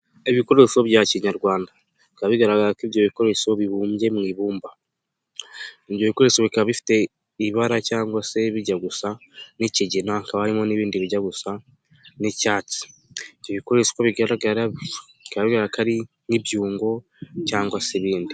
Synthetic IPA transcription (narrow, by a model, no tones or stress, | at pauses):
eβiko̞ɾe̞so̞βjaciɲaɾɡwaːnda | ikaβiɡaɾaɡakiβjo̞βiko̞ɾe̞so̞βiβuːmbje̞mŋiːβuːmba | iβjo̞βiko̞ɾe̞so̞βikaβaβifi̥te̞ | iβaɾacaːŋɡwase̞βiɟaɡusaniciɟinaŋkaβahaɾimo̞niβiːndiβiɟaɡusa | nicaːt͡si̥βjoβiko̞ɾe̞so̥koβiɡaɾaɡaɾaβ | ikaβaβiɡaɡakaɾi | nibjuːŋɡo̞ | caːŋɡwaseβiːndi